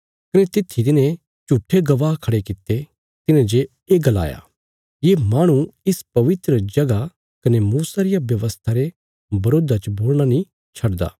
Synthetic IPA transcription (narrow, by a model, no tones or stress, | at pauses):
kɐnet̪ɪt̪ʰːit̪̬ɪnẽ | t͡ʃuʈʰːeɡɐʋaːɦkʰɐɽekɪt̪ːe | t̪ɪnẽd͡ʒe | eːɡɐla̰ːja̰ | jeːmaːɽ̃ũɪspɐʋɪt̪ɾəd͡ʒɐɡa | kɐnemuːsaɾɪjaʋjɐʋəst̪ʰaɾe | bɐɾoːd̪at͡ʃɐboːlɽ̃anĩ | t͡ʃʰɐɽd̪a̰ː